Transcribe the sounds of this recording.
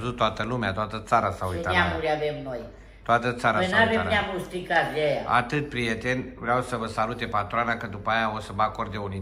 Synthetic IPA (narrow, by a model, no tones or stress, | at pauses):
zut̪ːoat̪əlumeat̪oat̪ət̪saɾasauiaamuɾjabemnoj | t̪oat̪ət̪saɾaenaβeaɾaamust̪ikazjejaa̰t̪ɨt̪̚pɾijet̪enʲvɾeawsəvəsalut̪epat̪ɾoanakəd̪upajaosəməako̞rd̪euni